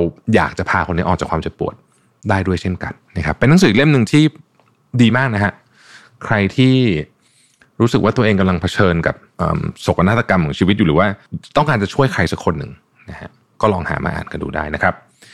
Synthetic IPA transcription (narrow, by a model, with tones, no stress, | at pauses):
ɾa˧wja̰ː˨˩k̚t͡ɕa˨˩pʰaː˧kʰo˧nːi˦˥ʔɔː˨˩a˨˩kʰwaː˧mt͡ɕe˨˩t̪̚pu˨˩ət̪̚ | daː˥˩jdu˥˩əjt͡ɕʰe˥˩nka̰˧nː˦˥kʰa˦˥pːnː˧˦˥ŋsɯː˨˩˦le˥˩mnɯ˨ŋt̪ʰiː˥˩ | diː˧maː˥˩k̚na˦˥kʰa˦˥ʔ | kʰɾa˧jt̪ʰiː˥˩ | ɾuː˦˥sɯ˨˩kwa˥˩t̪u˧ɐʔeː˧ŋka˧mla˧ŋpʰa˧t͡ɕʰɤː˧nka̰˨˩p̚ʔə̰ː˨˩mso˨˩ka˧na˦˥˩t̪ːa˧ka˧mɔ˩˦ŋt͡ɕiː˧wi˦˥u˨ɾɯː˩˦waː˥˩t̪ɔ˥˩ŋkaː˧nt͡ɕa˨˩t͡ɕʰu˥˩əjkʰɾa˧jsa˦˥kʰːo˧nːɯ˨˩ŋ | na˦˥kʰa̰˦˥ | kɔː˥˩lɔː˧ŋha̰ː˩˦ma̰ː˧ʔa̰ː˨˩nka˧ndṵː˨˩da̰ː˥˩jna˦˥kʰɾa˦˥p̚